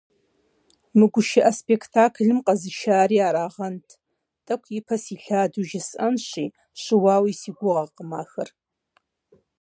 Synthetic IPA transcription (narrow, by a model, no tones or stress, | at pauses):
mɨɡʷʊʃɪʔɐspʼekʰtʰaːkʰɨɮɨmqʼɐzɨʃaːɾiaːɾaːʁɐntʼʰ | tʼɐkʷʰipʰɐsiɬaːduʒɪsʔɐnʃiː | ʃɪwaːwisiɡʷʊʁɐqəmaːxɐr